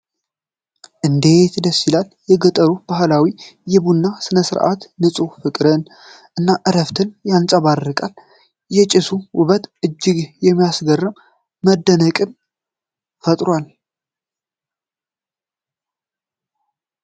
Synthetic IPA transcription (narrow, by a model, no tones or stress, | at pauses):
ʔɨnd̪e̞t̪dəsːilaljɛɡət̪ʼəɾub̥aɦlawijɪβunːasɨnəsɨɾʔa̰t̪nɨsʼufɨkʼɾɨn | ʔɨnːaʔɨɾəft̪ʰɨnjansʼəβarːɨkʼal | jɛt͡ʃʼɪsuwʊβət̪ʔɨd͡ʒːɪɡjɛmːijasɡərːɨm | məd̪ːənəkʼɨn | fət̪ʼɾwal